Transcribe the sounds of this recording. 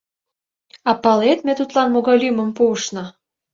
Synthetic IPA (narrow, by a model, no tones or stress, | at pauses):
ɑpɑlet̪mĕt̪ut̪lɑnmoɣɑlʲymə̆mpuəʃnɤ̆